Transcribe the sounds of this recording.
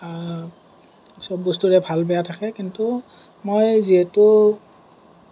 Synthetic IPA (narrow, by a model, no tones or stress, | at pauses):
sɔbɔstuɹɛbʱalbɛjatʰakɛkintu | mojziɛtʊ